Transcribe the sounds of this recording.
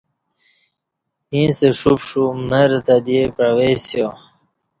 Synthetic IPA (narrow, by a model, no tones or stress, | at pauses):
ĩːst̪eʂupʂuməɾt̪ad̪iepɾawesjo